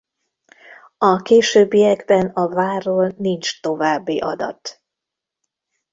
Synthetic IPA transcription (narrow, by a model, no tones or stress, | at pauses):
ɒkeːʃøːbːijɛɡbɛnɒvaːrːoːlnint͡ʃt̪o̞vaːbːiʔɒd̪ɒ̰t̪